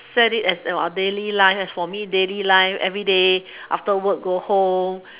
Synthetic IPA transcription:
sɛditɛsəba̰delilaɪfɛsfɔmidelilaɪfɛ̰vɹide | ʔa̰ftəwək̚ɡohõm

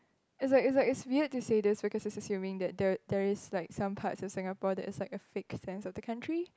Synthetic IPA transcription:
ɪtslaɪkɪtslaɪkɪtswiəd̚tusedɪsbikʰɔsɪtsəsjũmɪ̃ŋdɛt̚dɛdɛɹɪslaɪksãmpʰa̰tsɔfsɪ̃ŋapɔdɛ̰tɪslaɪkəfɪksɛ̃nsɔfdəkʰãntʰɹi

